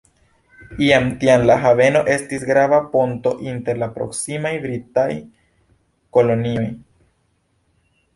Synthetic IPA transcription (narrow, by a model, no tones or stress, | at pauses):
iamtianlaɦave̞no̞ʔe̞stisɡɾavaponto̞ʔinte̞ɾlapɾo̞̰ksimajbɾitaj | ko̞lo̞nio̞j